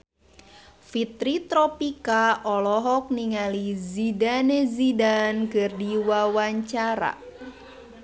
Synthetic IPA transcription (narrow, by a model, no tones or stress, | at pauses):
fit̪ɾit̪ɾɔpikaʔɔlɔɦɔk̚niŋalizidanezidankərdiwawaɲt͡ʃaɾa̰